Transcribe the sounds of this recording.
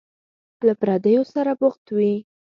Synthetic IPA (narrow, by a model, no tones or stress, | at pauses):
lapɾɑd̪əjosaɾabʊxt̪wi